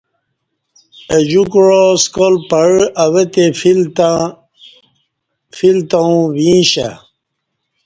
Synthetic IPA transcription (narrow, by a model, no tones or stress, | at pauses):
ed͡ʑukɻoskolpɐɻɐwet̪ef | filt̪aũwĩːɕa̰